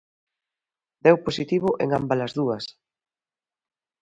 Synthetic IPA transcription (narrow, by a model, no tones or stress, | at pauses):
d̪ɛwposit̪iβ̞ʊʔeŋambalɐzðuɐs